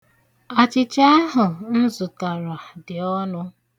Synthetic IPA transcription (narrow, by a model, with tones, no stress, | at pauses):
a˨t͡ʃɪ˦t͡ʃa˦a˦ɦʊ˨n̩˦zʊ˨ta˨ɾa˨dɪ˨ɔ˦nʊ˦